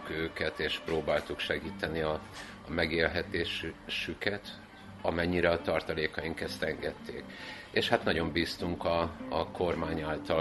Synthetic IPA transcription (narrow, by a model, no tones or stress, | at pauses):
køːkɛt̪eːʃproːbaːlt̪ukʃɛɡiːt̪ɛniɒː | mɛɡeːlɦɛt̪eːʃʃykɛt̪ | ɒmɛɲːiɾɛɒt̪ɒrt̪ɒleːkɒjiŋkɛst̪ɛŋɡɛt̪ʰːḛːk | eːʃhat̪nɒɟo̞mbiːst̪uŋkɒːkʰo̞rmaːɲaːlt̪ɒ